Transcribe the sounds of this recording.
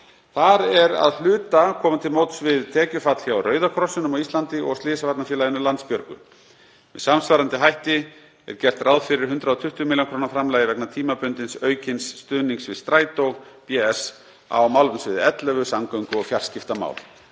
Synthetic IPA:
θaɾɛɾa̰ðl̥ʏːt̪akʰɔːmant̪ʰɪlmowt̪svɪðt̪ʰɛːcʏfat̪l̥çjawrœːɥðakʰɾɔsʏnʏmɔist̪lant̪ɪɔ̰ɣst̪lɪːsavat̪nafjɛlajɪnʏlant̪spjœɾkʏ̰ | mɛðsamsvaːɾant̪ɪɦajht̪ɪ | ɛ̰ɾ̥cɛl̥t̪rawðfɪɾɪɾ̥ɦʏnt̪ɾaðɔt̪ʰʏht̪ʏmiljaŋkʰɾoːnafɾamlaːjɪvɛknat̪ʰiːmapʏnt̪ɪnsœːɥcɪnsːt̪ʏːniŋksvɪ̥st̪ɾaːjt̪owpjɛɛs | a̰wmawlʏnsvɪðɪɛt̪lɛvʏsamkœɥŋkʏɔɣfjar̥scɪft̪ama̰ːwl

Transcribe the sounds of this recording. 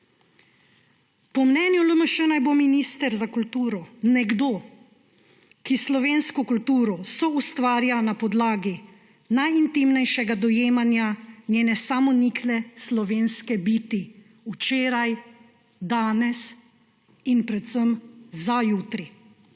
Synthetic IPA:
pɔmnɛːnjuləməʃɛnajbominist̪ɛɾzakult̪uːɾɔnɛɡd̪oː | kislɔʋeːnskɔkult̪uːɾɔsɔust̪ʋaːɾjanapɔd̪laːɡi | najint̪imnɛjʃɛɡad̪ɔjeːmanjanjeːnɛsamɔnikʰlɛslɔʋeːnskɛbiːt̪i | ut͡ʃeːɾaj | d̪aːnɛs | inpɾɛt̪səmzajuːt̪ɾi

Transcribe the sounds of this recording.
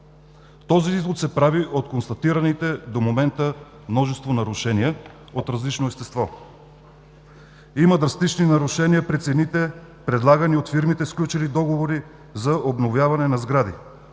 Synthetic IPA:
t̪ɔziizlˠot̪sɛpɾaviʔot̪konst̪ɐt̪iɾɐnit̪ɛd̪omomɛnt̪ə | mnɔʒɛst̪vonɐɾuʃɛniɛ | ot̪ɾɐzlit͡ʃnoɛst̪ɛst̪vɔ | iməd̪ɾɐst̪it͡ʃninɐɾuʃɛniəpɾit̪sɛnit̪ɛpɾɛd̪lˠaɡɐniot̪fiɾmit̪ɛsklʲut͡ʃɛlid̪ɔɡovoɾi | zɐʔobnovjavɐnɛnɐzɡɾad̪i

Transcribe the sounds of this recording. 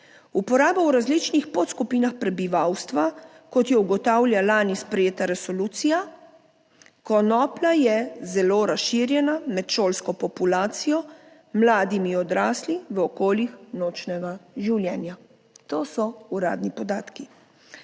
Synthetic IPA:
upɔɾaːbawɾazlit͡ʃnixpot̪skupiːnaxpɾɛbiʋawst̪ʋa | kɔt̪jɛuɡɔt̪aːwlʲjalaːnispɾɛjeːt̪aɾɛsɔluːt̪sija | kɔnɔːplajɛzɛloːɾasʃiːɾjɛnamɛt̪ʃoːlskɔpɔpulaːt̪sijɔ | mlaːd̪imiɔd̪ɾaːsliʋəɔkoːljixnoːt͡ʃnɛɡaʒiwljɛːnja | t̪oːsɔuɾa̰ːd̪nipɔd̪aːt̪ki

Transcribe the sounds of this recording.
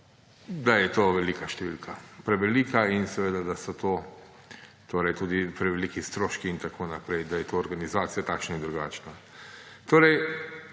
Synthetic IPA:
d̪ajɛt̪oːʋɛlikaʃt̪ɛʋilkʰapɾɛʋɛliːkʰainsɛʋeːd̪ad̪asɔt̪oː | t̪oːɾɛjt̪uːd̪ipɾɛʋelikist̪ɾoːʃkiːnt̪akʰoːnapɾɛjd̪ajɛt̪oːɾɡanizaːt̪sijat̪aːkʃnaind̪ɾuɡa̰ːt͡ʃna | t̪oːɾɛj

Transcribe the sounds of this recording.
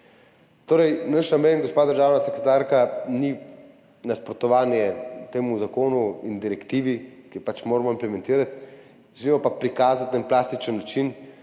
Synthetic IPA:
t̪oːɾɛjnaʃnameːnɡospaːd̪əɾʒaːwnasɛkɾɛt̪aɾkani | naspɾɔt̪ɔʋaːnjɛt̪eːmuzakoːnuind̪iɾɛkt̪iːʋikipat͡ʃmoːɾmɔimplɛmɛ̃nt̪iːɾat̪ | ʒɛlimɔpapɾikaːzat̪ːənplaːst̪it͡ʃənːat͡ʃin

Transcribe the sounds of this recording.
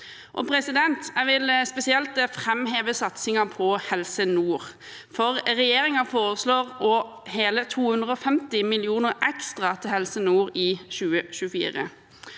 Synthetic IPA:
ʔɔ̰pʰɾɛsɪd̪ɛnt̪æʋɪlspɛsɪɛlt̪əfʁɛmɦeːʋəsɑt̪sɪŋɑpʰɔhɛlsənuːʁ | fɔʁʁɛjeːɾɪŋɑfoːɾəsloːʁɔ | heːlət̪ʰuːhʉnd̪ʁəɔfɛmt̪ɪmɪlɪuːnəɾɛkst̪ʁɑt̪ʰɪlhɛlsənuːʁɪʃʉːəɕʉfḭːʁə̰

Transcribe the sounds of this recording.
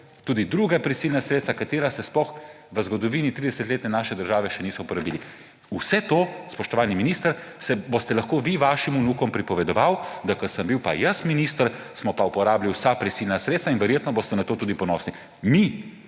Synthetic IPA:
t̪uːd̪id̪ɾuːɡapɾisiːlnasɾeːt̪st̪akat̪eːɾasɛsplɔx | ʋəzɡɔd̪ɔʋiːnit̪ɾiːd̪ɛsət̪leːt̪nɛnaːʃɛd̪əɾʒaːʋɛʃɛniːsɔupɔɾabiːli | usɛt̪ospɔʃt̪ɔʋaːlniminiːst̪əɾsɛbost̪ɛlaxkoːʋiʋaːʃimunuːkɔmpɾipɔʋɛd̪ɔʋawd̪akəsəmbiwpa̰jəsminist̪əɾ | smɔpaupɔɾaːbliwsapɾisilnasɾeːt̪sainʋɛɾjeːt̪nɔbost̪ɛnat̪oːt̪uːd̪ipɔnɔːsni | mi

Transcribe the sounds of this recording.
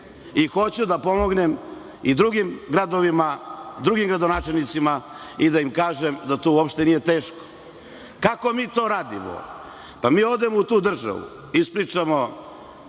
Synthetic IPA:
ixo̞t͡ɕud̪apo̞mo̞ɡnem | id̪ɾuɡimɡɾad̪o̞ʋimad̪ɾuɡimɡɾad̪onaːt͡ʃelʲnit̪sima | id̪aimkaːʒemd̪at̪ouopʃt̪e̞nije̞t̪e̞ːʃko̥ | kako̞miːt̪oːɾaːd̪imo̰ | pamiːo̞d̪e̞mout̪uːd̪r̩ʒa̰ʋṵ | ispɾit͡ʂamo̞

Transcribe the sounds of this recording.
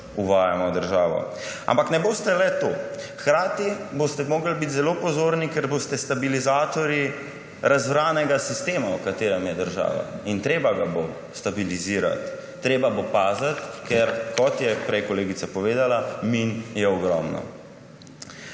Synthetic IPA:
uʋaːjamɔwd̪əɾʒaːʋɔ̰ | a̰mpaknɛboːst̪ɛlɛt̪oːxkɾaːt̪ibost̪ɛmoːɡəlbit̪zɛloːpɔzoːɾnikɛɾbost̪ɛst̪abilizaːt̪ɔɾji | ɾʔazʋɾaːnɛɡasist̪eːmaukat̪eːɾɛmjɛd̪əɾʒa̰ːʋa̰int̪ɾeːbaɡabo | st̪abiliziːɾa̰t̪ː | ɾeːbabopaːzat̪kɛɾkɔt̪jɛpɾɛjkɔleːɡit̪sapɔʋeːd̪alaminjɛɔɡɾɔmnɔ̰

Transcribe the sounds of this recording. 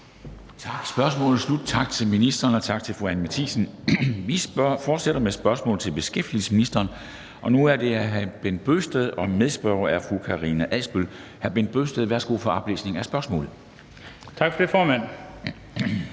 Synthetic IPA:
t͡sʰɑ̈ɡ̥sb̥ɶɐsmɔ̰̽ːlð̩ˠslud̥̚t͡sʰɑ̈ɡ̥̚t͡sʰe̝lminisd̥ɐːnɒ̽t͡sʰɑ̈ɡ̥̚t͡sʰe̝lfʁuænmæt͡sʰiːsn̩ʋifɒːd̥seɾ̥ɐmesb̥ɶɐsmɔ̰ːlð̩ˠt͡sʰe̝lb̥e̝sɡ̥efd̥il̩sə̥sminisd̥ɐːn | ʔɒ̽nuæɐd̥e̝æɦæb̥en̰d̥̚b̥ø̰ːsd̥eðˠɒ̽meðˠsb̥ɶɐɐæɐfʁukʰɑ̈ʁinæʔælsb̥ølhæɐb̥en̰d̥̚b̥ø̰ːsd̥eðˠʋæɐsɡ̥o̝̰ːfɒ̽ɑ̈b̥le̝̰ːsne̝ŋæsb̥ɶɐsmɔ̰ːlð̩ˠ | t͡sʰɑ̈ɡ̥fɒd̥efɒːmæn̰

